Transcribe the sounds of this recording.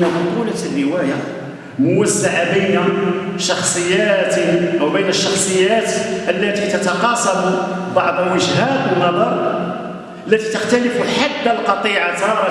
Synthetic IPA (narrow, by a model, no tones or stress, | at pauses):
ab̪ʊqularːəwæja | mʊwəsːaʕabəjnaʃɑxsˤəjːæt̪ʔəwbəjnəʃːɑxsˤəjːæt̪ʔəlːæt̪it̪ət̪ɑqɑsæmu | bɑʕd̪ˤwəʒhæt̪ənːɑd̪ˤɑɾˤ | ʔəlːæt̪it̪əxt̪ælɪfulħad̪ːalqɑt̪ˤiʕat̪ɑɾˤ